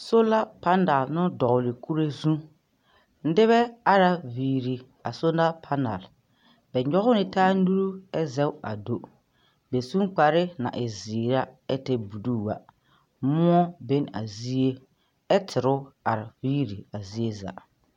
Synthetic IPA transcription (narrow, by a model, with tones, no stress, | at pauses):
so˦la˦pa˦na˨lnʊ˦dɔ˨ʊ˨lɪ˨kʰu˦ɾe˦zũ˦ | n̩˦dɪ˦βɛ˦a˦ɾa˨viː˨ɾi˨ | a˨so˦na˦pʰa˦na̰˨l | bɛ˨ɲɔ˦ɣʊ˦nɪ˨taː˦nu˦ɾu˦ɛ˦zɛ˦wa̰˨do˦ | bɛ˨sũ˦k͡pa˨ɾɪ˦na̰˨ʔɪ˨ziː˨ɾa˦ɛ˦tɛ˦bu˨duː˦˨wa̰˨ | mʊ˦ɔ˦be˦n˦a̰˨zi˦e˦ | ɛ˦tʰɪ˨ɾʊ˦a˨ɾɪ˨viː˦ɾi˨a˨zi˦e˦za̰˨